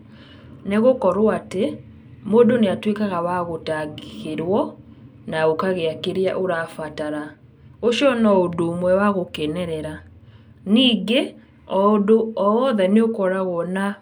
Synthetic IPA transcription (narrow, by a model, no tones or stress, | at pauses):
neɣokɔɾwate | modoneatwekaɣawaɣotaɡiɣeɾwɔ | naɣokaɣeakeɾja̰ʔoɾafataɾa | oʃiɔnɔodoːmwɛwaɣokɛnɛɾɛɾa | niːɡe | ɔodoɔːðɛneokɔɾaɣɔna